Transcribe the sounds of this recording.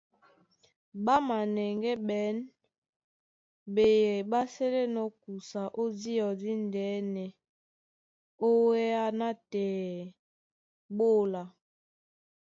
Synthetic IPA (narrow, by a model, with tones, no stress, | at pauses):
ɓa˦ma˨nɛ˨ŋɡɛ˦ɓɛ˨˦n | be˨jɛ˨ɓa˦sɛ˦le˦nɔ˦ku˨sa˨ʔo˦di˦ɔ˨di˦ndɛː˨˦nɛ˨ | o˦wɛ˦a˦na˦tɛː˨ | ɓo˦˨la˨